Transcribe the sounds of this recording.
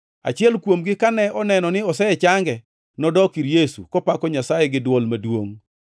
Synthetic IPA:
a̰t͡ʃɪɛlkwomɡɪkanɛɔnɛnɔnɪɔsɛɛt͡ʃaŋɡɛ | nɔdɔkiɾjesṵkɔpakɔɲasajɛɡɪdwɔlmadwoŋ

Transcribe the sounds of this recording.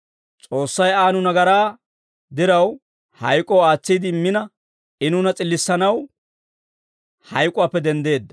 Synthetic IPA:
t͡sʼo̞ːsːɐjaːnʊnɐɡɐɾaː | d̪ɪɾɐw | hɐ̰jkʼɔwaːt͡sːiːd̪ɪmːɪnɐ | ɪnʊnɐt͡sʼɪlːɪsːɐnɐw | hɐjkʼʊwaːpːɛd̪ɛnd̪e̞ːd̪ːɐ

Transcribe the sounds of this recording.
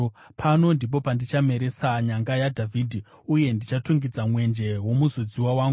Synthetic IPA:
pʰano̞ndip̬o̞pandit͡ʃame̞ɾe̞saɲaŋɡajadʱavʱidʱi | uje̞ndit͡ʃatuŋɡid͡zamwe̞nd͡ʒe̞wo̞muzod͡ziwawaːŋɡu

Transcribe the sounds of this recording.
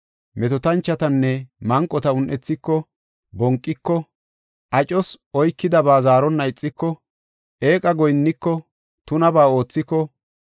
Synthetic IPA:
mɛt̪ɔt̪ɐnt͡ʃːɐt̪ɐnːɛmɐŋkʼːɔt̪ɐʊnʔɛt͡sːɪkːɔ | bɔŋkʼːɪkːɔ | ʔɐt͡ʃʼɔs | ɔjkːɪd̪ɐbaːzaːɾɔnːɐɪt͡sʼːɪkːɔ | ʔe̞ːkʼɐɡɔjnːɪkːɔ | t̪ʊnɐbaːo̞ːt͡sːɪkːɔ

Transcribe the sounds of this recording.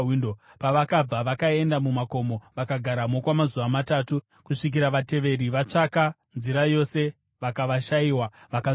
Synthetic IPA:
indo | paʋakab͡vaʋakae̞ndamumako̞mo̞ʋakaɡʱaɾamokwamazuʋamataːtu | kuʂik̬iɾaʋate̞ʋe̞ɾiʋat͡ʂaka | nziɾajo̞se̞ | ʋakaʋaʃaiːwaʋaka

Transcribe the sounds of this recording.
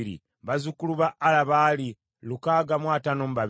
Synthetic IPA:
ɾḭ | βazukuluβaʔːlaβaːli | lukaːɡamwaːtano̞muβaβ

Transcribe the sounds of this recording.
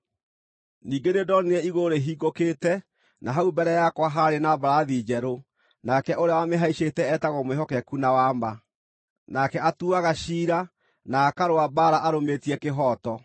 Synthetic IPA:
niːɡenedɔneɛiɣoɾeɦiːɡokeːtɛ | naɦaubɛɾɛjakwaɦaɾenabaɾaðid͡ʒɛɾo | nakɛʔoɾeawameɦaiʃetɛɛtaɣɔmweɦɔkɛkunawama | nakɛatuaɣaʃiːɾa | naːkaɾoabaːɾaʔaɾometiɛkeɦɔtɔ

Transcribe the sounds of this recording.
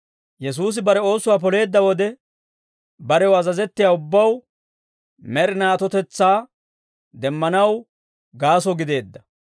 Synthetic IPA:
jɛs̬uːs̬ɪbɐɾɛo̞ːsːʊwaːp̬ɔle̞ːd̪ːɐwɔd̪ɛ | bɐɾɛwɐzɐzɛt̪ːɪjaːʊbːɐw | mɛɾɪnaːt̪ɔt̪ɛt͡sːaː | d̪ɛmːɐnɐw | ɡaːsɔɡɪd̪e̞ːd̪ːɐ

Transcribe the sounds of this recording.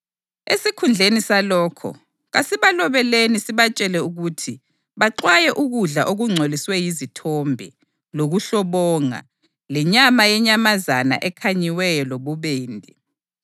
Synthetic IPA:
esikʰund͡ɮʱenisalɔːkʰɔ̰ | ɣasiβalɔβɛlenisiβat͡ʃʼɛlɛuɣutʰi | βaǃwajɛʔuɣuɮaʔoɣuŋ͡ǀʱoliswɛjizitʰɔmbʱḭ | loɣuɬɔβɔːŋa̰ | lɛɲamajɛɲamazana̰ʔɛkʰaɲiwɛjɔloβuβeːndʱi

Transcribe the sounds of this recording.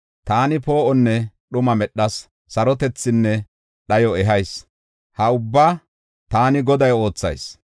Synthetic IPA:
t̪aːnɪpo̞ːʔɔnːɛɗʊmɐmɛɗːɐsː | ɐɾɔt̪ɛt͡sːɪnːɛ | ɗɐjɔɛɦɐjs | hɐʊbːaː | t̪aːnɪɡɔd̪ɐjo̞ːt͡sːɐ̰js

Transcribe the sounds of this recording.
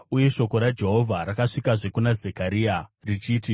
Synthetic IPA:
uje̞ʃo̞ko̞ɾad͡ʒe̞ɦo̞vʱaɾakaʂikaʐe̞kunazekaɾiːarit͡ʃiːti

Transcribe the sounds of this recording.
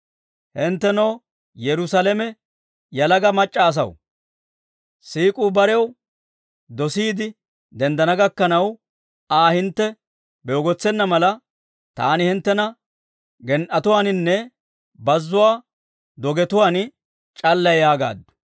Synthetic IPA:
hɪnt̪ːɛnɐw | jɛɾʊsalɛmɛ | jɐlɐɡɐmɐt͡ʃʼːɐːs̬ɐ̰w | siːkʼuːbɐɾɛw | d̪ɔsiːd̪ɪ | d̪ɛnd̪ɐnɐɡɐkːɐnɐw | aːhɪnt̪ːɛ | bɛɔɡɔt͡sːɛnːɐmɐlɐ | t̪a̰ːnɪhɪnt̪ːɛnɐ | ɡɛnʔɐt̪ʊwaːnɪnːɛ | bɐzːʊwaː | d̪ɔɡɛt̪ʊwaːn | t͡ʃʼɐlːɐjaːɡa̰ːd̪ʊ̥

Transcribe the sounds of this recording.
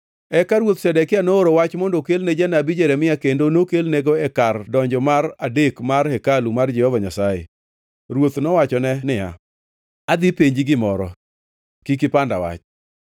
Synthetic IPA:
ɛkaɾwot̪sɛdɛkɪanooɾowat͡ʃmɔndokelned͡ʒɛnabid͡ʒeɾɛmɪakendonokelneɡoɛkardɔɲd͡ʒɔmaradekmarhɛkalumard͡ʒɛhɔvaɲasaḛ | ɾwot̪nɔwat͡ʃɔnɛnɪja̰ | ad̪ipeɲd͡ʒiɡɪmɔɾɔ̰ | kikɪpanda̰wa̰t͡ʃ

